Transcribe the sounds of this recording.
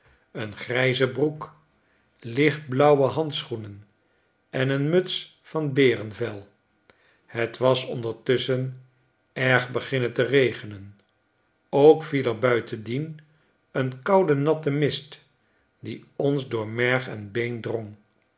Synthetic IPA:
ənχrɛjzəbruk | lɪχt̚blɑwəɦɑnt̪sχunən | ɛnənmøts | fɑnbɪːrənvɛlˠ | hətʋɑsɔ̰ndəɹtʏsən | ɛɹχbəχɪnətərejχənən | owkfiləɹbœɥtʰəndin | ənkɑwdənɑtəmɪst | diɔnzdʊːɹmɛɹχɛ̰nbejndrɔŋ

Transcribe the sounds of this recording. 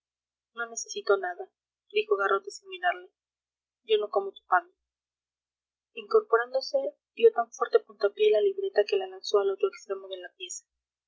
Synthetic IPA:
no̞ne̞se̞sit̪o̞naða | d̪ixo̞ɣarʔo̞t̪esiŋminaɾle | do̞no̞ko̞mot̪u̥pano | iŋko̞ɾpo̞ɾand̪o̞se̞ | d̪̥jo̞t̪aɱfwe̞ɾt̪e̞punt̪apje̞laliβɾe̞t̪ake̞lalanso̞alo̞t̪ɾoekst̪ɾe̞mo̞ðe̞lapje̞sḁ

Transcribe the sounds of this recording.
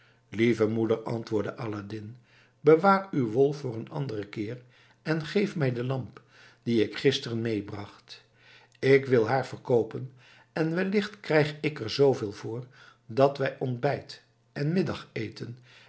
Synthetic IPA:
livəmudəɹɑ̰ntʋʊːɹdəʔaladɪn | bəʋaːrywʋɔlˠfʊːrənɑ̰ndərəkɪːr | ɛnχejfmɛjdəlɑmp | d̥iɪkχɪstərənmejbrɑχt | ɪkʋɪlˠɦaːɹv̥ərkowpən | ɛnʋɛlɪχtkrɛjχɪkəɹzowveːlˠvʊːɹ | dɑtʋɛjʔɔndbɛjt | ʔɛnmɪdɑχejtən

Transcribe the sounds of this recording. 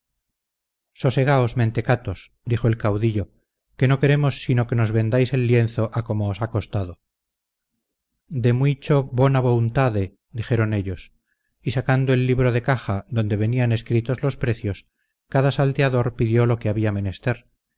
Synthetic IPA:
so̞se̞ɣ̞aozmẽ̞nt̪e̞kat̪o̞s | d̪ixo̞e̞lkawðiʎo̞ | ke̞no̞ke̞ɾe̞mo̞sːino̞ke̞no̞zβe̞nd̪ajse̞lːje̞nθo̞ʔako̞moːsako̞st̪aðo | d̪e̞mwit͡ʃo̞βonaβount̪aðe | d̪iχe̞ɾo̞ne̞ʎo̞s | isakand̪oe̞lːiβɾo̞ðe̞kaxaðo̞nd̪e̞β̞e̞niane̞skɾit̪o̞zlo̞spɾe̞θjo̞s | kaðasalt̪eaðo̞ɾpiðjo̞lo̞keaβiame̞ne̞st̪e̞ɾ

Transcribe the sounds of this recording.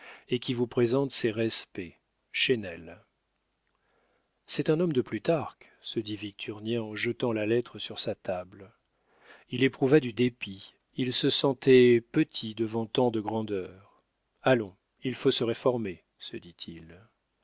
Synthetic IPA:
ekʲivupχezɑ̃t̪sɛʁɛspɛ | ʃenɛl | sɛt̪ɛ̃nɔmd̪əplyt̪aʁk | səd̪ivik̚t̪ʰyʁnjɛ̃ɑ̃ʒət̪ɑ̃lalɛt̪χəsyʁsat̪abl | ilepχuvad̪yd̪epi | ilsəsɑ̃t̪ɛpət̪ʰid̪əvɑ̃t̪ɑ̃d̪əɡʁɑ̃d̪œːʁ | alɔ̃ | ilfosəʁefɔʁme | səd̪it̪ʰil

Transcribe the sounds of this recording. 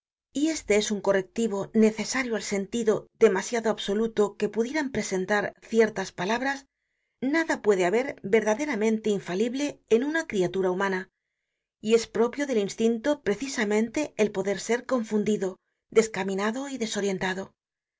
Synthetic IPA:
ie̞st̪e̞e̞suŋko̞re̞k̚t̪iβo̞ne̞θe̞saɾjoalse̞nt̪iðo̞ðe̞masjaðoaβso̞lut̪o̞ke̞puðje̞ɾampɾe̞se̞nt̪aɾθje̞ɾt̪aspalaβɾas | naðapwe̞ðe̞aβe̞ɾbe̞ɾðaðe̞ɾamẽ̞nt̪e̞iɱfaliβle̞ːnunakɾiat̪uɾaumãna | ie̞spɾo̞pjo̞ðe̞linst̪int̪o̞pɾe̞θisamẽ̞nt̪e̞elpo̞ðe̞ɾse̞ɾko̞ɱfund̪iðo̞ | ðe̞skamĩnaðo̞iðe̞so̞ɾje̞nt̪aðo̞

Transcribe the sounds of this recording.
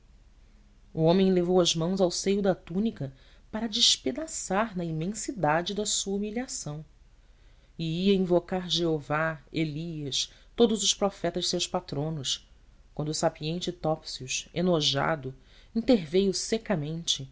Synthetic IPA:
uõmẽj̃levowɐʒmɐ̃w̃zawsejʊd̪ɐt̪ũnikɐpaɾɐd͡ʒɪʃped̪asaɾnɐimẽsid̪ad͡ʒɪd̪ɐsuɐumiliasɐ̃w̃ | ɪiɐĩvokaɾʒeovaeliɐʃ | t̪od̪ʊzʊʃpɾɔfɛt̪ɐʒɪsewʃpat̪ɾõnʊʃ | kwɐ̃nd̪ʊsapiẽnt͡ʃɪt̪ɔpsiuʃenoʒa̰d̪ʊ | ĩt̪eɾvejʊsekɐmẽnt͡ʃɪ

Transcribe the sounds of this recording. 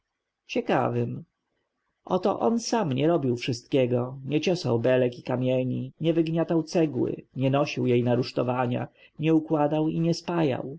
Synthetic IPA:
t͡ɕɛka̰vɘm | ʔɔt̪ɔ̰ʔɔnsamɲɛɾɔbʲiwfʂɘst̪kʲɛɡɔɲɛt͡ɕɔsa̰wbɛlɛkikamʲjɛɲiɲɛvɘɡɲat̪awt̪sɛɡwɘ̰ɲɛnɔɕiwjejnaɾuʂt̪ɔvaɲa̰ | ɲɛukwad̪awiɲɛspaja̰w

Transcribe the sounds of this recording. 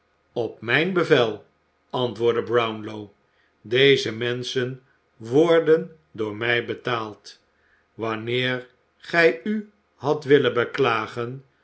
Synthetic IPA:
ɔpmɛjnbəvɛlˠ | ɑntʋʊːɹdəbrawnlow | dejzəmɛnsən | ʋɔɹdən | dʊːɹmɛjbətaːlˠt | ʋɑnɪːɹ | χɛjy | ɦɑtʋɪləbəklaːχən

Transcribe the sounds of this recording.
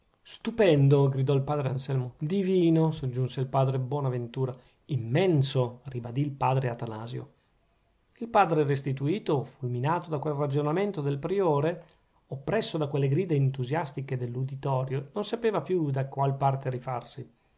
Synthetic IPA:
st̪upɛnd̪oɡɾid̪ɔilpaːd̪ɾeansɛlmod̪iviːnosod͡ʒːunseilpaːd̪ɾebwɔːnavent̪uːɾa | imːɛnsoribad̪ilpaːd̪ɾeat̪ana̰ːzjo̰ | ilpaːd̪ɾerest̪it̪uiːt̪ofulminaːt̪od̪akwelrad͡ʒonament̪od̪elpɾioːɾe | opːɾɛsːod̪akwelːeɡɾiːd̪eːnt̪uzjast̪iked̪elːud̪it̪ɔːɾjononsapeːvapjud̪akwalpart̪eɾifarsi

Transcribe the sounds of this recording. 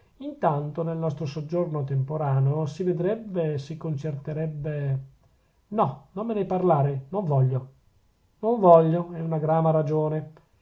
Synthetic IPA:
int̪ant̪onelnɔst̪ɾosod͡ʒːornot̪empoɾaːneosived̪ɾɛbːesikːont͡ʃert̪eɾɛbːe | nɔnomːenɛjparlaːɾenoɱvɔʎːo | noɱvɔʎːoɛunaɡɾaːmaɾad͡ʒoːne

